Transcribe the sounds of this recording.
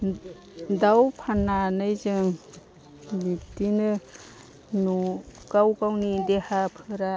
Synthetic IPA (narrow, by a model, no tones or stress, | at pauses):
dawpʰananɯjzɯŋ | bitinɯ | nukawkawnidehapʰɯɾa